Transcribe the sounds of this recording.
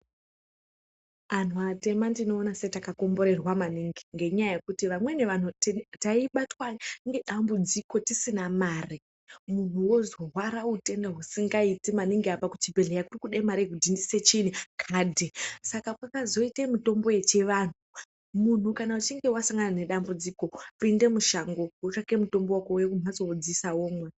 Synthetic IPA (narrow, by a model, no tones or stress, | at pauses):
an̤uate̞mandino̞ːnasetakako̞mbo̞ɾe̞rwamaniŋɡiŋɡe̞ɲajajekutiʋamwe̞ne̞ʋan̤uttaiɓatwaŋɡe̞ɗambud͡ziko̞tisinamaːri | mun̤uwo̞zo̞ɦwaɾaute̞ndaɦusiŋɡaitimaniŋɡeapakut͡ʃibʱeɮejakurikuɗemaɾikudindise̞t͡ʃinikʰaːdʱesakakwakazo̞itemito̞mboje̞t͡ʃe̞ʋan̤u | mun̤ukanaut͡ʃiŋɡe̞wasaŋɡanane̞ɗambud͡ziko̞pinde̞muʃaŋɡo̞wot͡ʃake̞muto̞mbowakojekum̤azod͡zisawoːmwe